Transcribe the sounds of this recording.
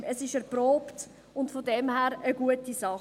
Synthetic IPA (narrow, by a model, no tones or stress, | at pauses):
ʔəsɪʃɛɾpɾoːpt | ʊntfodɛmhæːɾəɡuətisɑ